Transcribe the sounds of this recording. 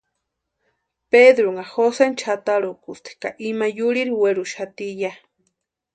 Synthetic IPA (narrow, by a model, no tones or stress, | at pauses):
ped̪ɾoŋaxosent͡ʃʰat̪aɾokust̪ʰi̥ka̰ʔimajuɾiɾiweɾuʃat̪ija